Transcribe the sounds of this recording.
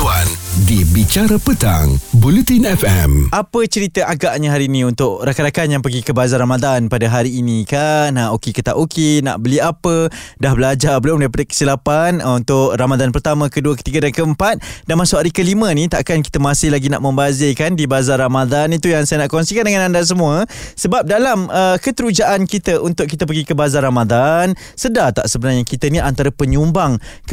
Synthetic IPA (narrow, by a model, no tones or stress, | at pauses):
uandibit͡ʃaɾapət̪a̰ŋbulut̪inɛfɛ̰mʔapət͡ʃəɾit̪əʔaɡaʔɲaɦaɾiːnĩunt̪ʊʔɾakaɾakanjaŋpəɡikəbazarɾamad̪anpadaɦaɾiːnikanaʔokekət̪a̰ʔokʰena̰ʔbəliapədahbəlad͡ʒabəlʊmdaipadakə̥silapanunt̪ʊʔramad̪anpərt̪amə̃kəduəkə̥t̪iɡədankəəmpat̪̚danmãsʊʔaɾikəlimə̃nit̪aʔkanki̥t̪əmãsɪhlaɡina̰ʔmə̃mbazekandibazarɾamad̪anit̪ujaŋsajənaʔkɔnsikandəŋanandas̬əmũəsəbap̚dalaməkət̪əɾud͡ʒaʔankit̪əʔunt̪ʊʔkit̪əp̬əɡikəbazaɾamad̪an | sədat̪a̰ʔsəbənarɲakit̪əniʔant̪aɾəpəɲumbaŋk